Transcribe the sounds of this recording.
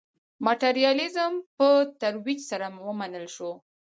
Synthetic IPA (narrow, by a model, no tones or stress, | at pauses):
maʈeɾijɑlɪzəmpət̪aɾwid͡ʒsaɾamwəmanəlʃo